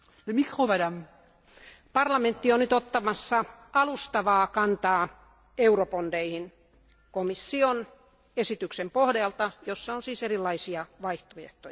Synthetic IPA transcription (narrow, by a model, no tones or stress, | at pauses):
ləmikχomadam | pɑrlɑment̪ːionnyt̪ot̪ːɑmɑsːɑɑlust̪ɑʋɑːkɑnt̪ɑː | euɾopondeihin | komisːion | esit̪yksempohdɑlt̪ɑjosːɑonsiːserilːɑisiɑʋɑiht̪ojḛht̪ojɑ